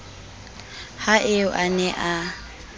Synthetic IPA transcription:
haʔeʊʔanɛʔa

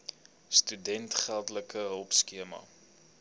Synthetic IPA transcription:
stydɛntχælˠdləkəɦəlˠpskiəmɐ̰

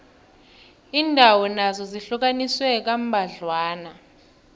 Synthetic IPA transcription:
iːndʱawɔnazɔziɬuk̬aniswɛk̬am̩bʱaɮwaːna

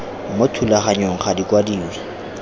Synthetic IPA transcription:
motʰulaχaɲoŋ̩χadikʼwadiːwa

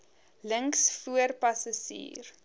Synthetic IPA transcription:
ləŋksfuərpɐsasḭːr

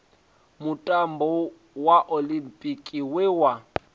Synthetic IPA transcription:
mutʼambɔ | waʔolimpʼikʼiwɛwa

